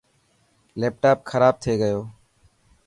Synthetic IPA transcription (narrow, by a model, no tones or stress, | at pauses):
leːp̚ʈaːp̚xʰəɾaːb̚t̪ʰeːɡəjoː